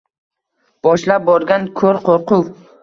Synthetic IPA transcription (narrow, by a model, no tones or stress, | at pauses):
b̥ɒʃlap̚bɒɾɡʲankʰɵɾqʰoɾqʊ